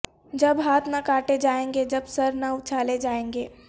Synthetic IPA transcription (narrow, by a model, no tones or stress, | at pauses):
d͡ʒɐbɦaːt̪ʰnakaːʈed͡ʒaːẽːŋɡed͡ʒɐbsɐɾnaʊt͡ʃʰaːled͡ʒaːẽːŋɡeː